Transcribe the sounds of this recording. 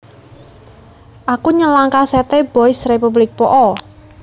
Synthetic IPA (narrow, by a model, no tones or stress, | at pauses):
ʔakuɲəlaŋkasɛt̪eb̥ɔɪsrepublɪk̚pɔʔɔ